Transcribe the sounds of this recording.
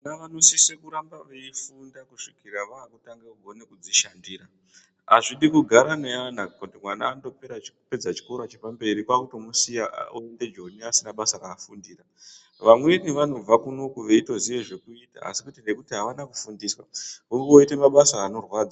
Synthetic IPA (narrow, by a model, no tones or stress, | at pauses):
naʋanosisekuɾambaʋeifundakuʂikiɾaʋaːkutaŋɡeɡʱo̞nekud͡ziʃandiːɾa | aʐiɗikuɡʱaɾaneanakutimwanaːndo̞peɾaipe̞d͡zat͡ʃi̥koɾat͡ʃepambe̞ɾikwakutomusija̰oe̞nde̞d͡ʒoniasinaɓasaraːfundiːra | ʋamweniʋano̞b͡vakuno̞kuʋe̞ito̞ziʋe̞ʐe̞kuita̰a̰sikutenekutiɦaʋanaku̥fundiːswauoite̞maɓasaːno̞rwaːd͡za